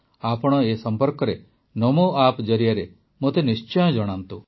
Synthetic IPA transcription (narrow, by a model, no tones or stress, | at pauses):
apɔɽ̃ɔesɔmpɔɾkɔɾe | nɔmoapd͡ʒɔɾijaɾe | mot̪enist͡ʃɔjɔ̃d͡ʒɔɽ̃ant̪u